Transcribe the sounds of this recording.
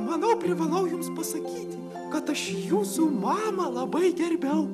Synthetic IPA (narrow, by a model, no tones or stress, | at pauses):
mɐnɐʊpʲɾʲɪʋɐlˠɐʊjʊmspɐsɐkʲiːt̪ʲ | kɐt̪ɐʃjuːsuːmɑːmɐlˠɐbɐɪɡʲɛrʲbʲɛʊ